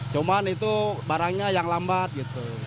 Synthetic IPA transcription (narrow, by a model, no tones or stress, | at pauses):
t͡ʃumanit̪ubaɾaŋɲajaŋlambat̪̚ɡit̪u